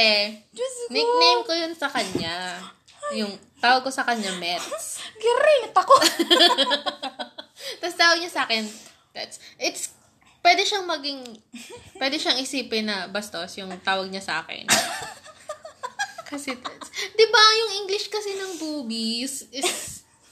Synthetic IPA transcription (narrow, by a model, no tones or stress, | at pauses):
ɛ | nɪknejmkojonsɐkɐɲa | jʊŋ | t̪aːwɐɡ̚ko̞sɐkɐɲamɛt̪sɡɪɾɛt̪ɐko | t̪ɐst̪aːwɐɡ̚ɲasaːkɛn | t̪ɐt̪sʔɪt̪s | pwɛːd̪ɛʃaŋmɐɡɪŋpwɛd̪ɛʃaŋʔɪsiːpɪnɐbɐst̪osjʊŋt̪aːwɐɡ̚ɲasɐʔa̰ːkɛ̰n | kɐsɛt̪asd̪ɪbajʊŋʔiŋɡlɪʃkɐsɛnɐŋbuːbisɪs